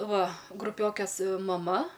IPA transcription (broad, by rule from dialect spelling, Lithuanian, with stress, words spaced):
ˈʋɐ ɡrʊˈpʲoːkʲeːs mɐˈmɐ